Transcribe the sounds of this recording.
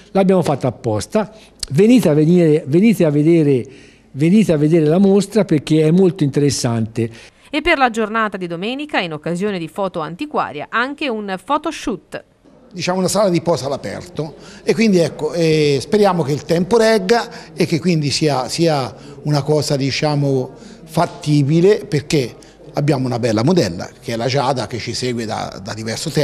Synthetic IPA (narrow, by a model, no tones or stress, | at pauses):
labːjaːmofat̪ːaːpːɔst̪a | veniːt̪aveniːɾeveniːt̪eavːed̪eːɾe | veniːt̪eavːed̪eːɾelamost̪ɾaperk̟ːeɛmːolt̪oint̪eɾesːant̪e | epːerlad͡ʒornaːt̪ad̪id̪omɛːnikainokːazjoːned̪ifɔːt̪oant̪ikwa̰ːɾja̰ʔaŋk̟eunfɔːt̪oʃut̪ː | d̪it͡ʃaːmounasaːlad̪ipɔːsalapɛ̰rt̪oekːwind̪iɛkːoɛspeɾjaːmok̟eilt̪ɛmpoɾɛɡːaekːekːwind̪isiːasiːa | unakɔːzad̪it͡ʃaːmo | fat̪ːiːbileperk̟e | abːjaːmounabɛlːamod̪ɛlːa̰k̟eɛlːad͡ʒaːd̪ak̟et͡ʃːisɛːɡwed̪a̰d̪ad̪ivɛrsot̪ɛ